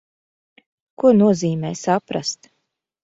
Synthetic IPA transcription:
kuɔnuɔziːmɛːsapɾa̰st̪

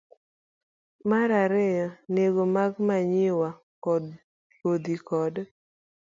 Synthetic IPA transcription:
maɾaɾɛjɔneɡomaɡmaɲɪwa | kɔd | kod̪ikɔd

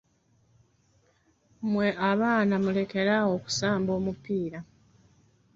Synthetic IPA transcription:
mwe̞ʔaβaːnamule̞ke̞ɾawo̞ku̥saːmbo̞ːmupiːɾa

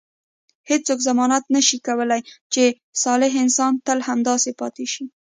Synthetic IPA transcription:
het͡sokzamɑnat̪nəʃikawəlajt͡ʃe | sɑlɪɦɪnsɑnt̪əlhamd̪ɑsepɑt̪eʃi

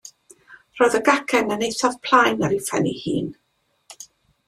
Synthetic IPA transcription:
rɔːjðəɡakʰɛnənejsaðpʰl̥ˠajnəɾifɛnihiːn

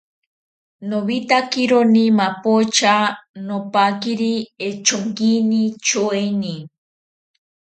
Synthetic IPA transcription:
noβit̪akiɾonimapot͡ʃanopakiɾiet͡ʃoŋkinit͡ʃoeni

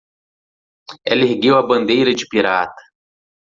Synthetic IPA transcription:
ɛlehɡewɐbɐ̃nd̪ejɾɐd͡ʒɪpiɾat̪ɐ̥

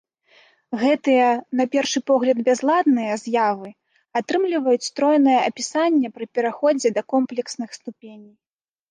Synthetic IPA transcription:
ɣɛt̪ɨjɐnɐpʲɛrʂɨpɔɣlʲɐd̪bʲazlˠad̪nɨjɐzjavɨ | at̪ɾɨmlʲivɐjut͡sʲst̪ɾɔjnɐjɐʔɐpʲisanʲːɛpɾɨpʲɛɾaxɔd͡zʲɛd̪ɐkɔmplʲɛksnɨxst̪upʲenʲij

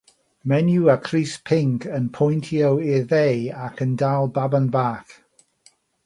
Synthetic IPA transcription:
mɛnjuakʰriːspʰɪŋkʰənpʰɔjntʰiəwɪðejakʰəndalˠbabənbaːk

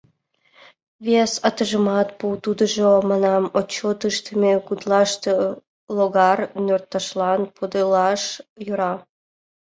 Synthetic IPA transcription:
βesɑt̪əʒəmɑt̪put̪ud̪əʒomɑnɑmot͡ɕːot̪əʃt̪əmekud̪lɑʃt̪ə | loɣɑrnʲørt̪ːɑʃlɑnpod̪elɑʃjøɾɑ

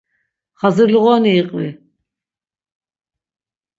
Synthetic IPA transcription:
χazɨɾliʁɔːniːqʼvi

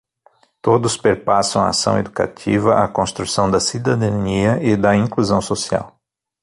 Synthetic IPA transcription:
t̪od̪ʊspeɾpasɐ̃w̃aa̰sɐ̰̃w̃ed̪uka̰t̪ʰḭvɐʔakõst̪ɾusɐ̃w̃d̪ɐsid̪ad̪ɐniɐɪd̪ɐĩkluzɐ̃w̃sosia̰w

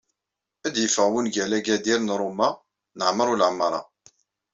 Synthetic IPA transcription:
æd̪jəfəʁwənɡælæɡæd̪iɾnɾˤʊmːa | nəʕməɾˤuləʕmːəɾˤɑ̰

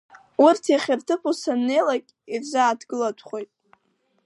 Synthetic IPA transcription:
urtʰjaχʲɪrtʰɨpʰusanːe̞jlakʲʼ | irzʷaːdɡɨlatʷʰχo̞jtʼ

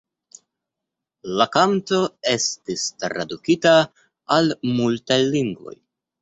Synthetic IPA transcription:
lakanto̞e̞stistɾa̰dukitaː | lmultajliŋɡvo̞̰j

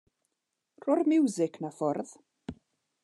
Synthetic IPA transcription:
r̥ʊrmɪwzɪkʰnafɔrð

